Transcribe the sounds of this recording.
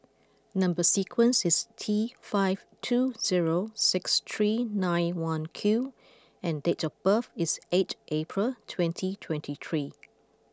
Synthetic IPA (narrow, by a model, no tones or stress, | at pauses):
nʌ̃mbəsikʰwə̃nsɪstʰifaɪv̥ | tʰuz̥iɹosɪkst̪ʰɹinãɪ̃nwãnkʰju | ɛ̃ndetɔfbəfɪsetʔepʰɹəltʰwɛ̃ntʰitʰwɛ̃ntʰit̪ʰɹi